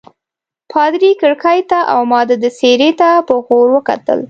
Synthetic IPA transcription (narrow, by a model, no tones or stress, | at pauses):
pʰɑd̪ɾikəɽkɑjt̪aʔa̰wmɑd̪əd̪əseɾet̪apəɣoɾwəka̰t̪ə̰l